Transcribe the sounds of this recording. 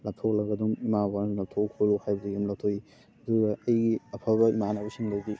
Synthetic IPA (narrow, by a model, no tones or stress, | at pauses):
lap̚tʰok̚lɐɡɐduŋimabanlap̚tʰokʰoɾuhajbɐdijumlak̚tʰoi | ɐduɡɐɐjɡiɐpʰabɐimanabɐsiŋladi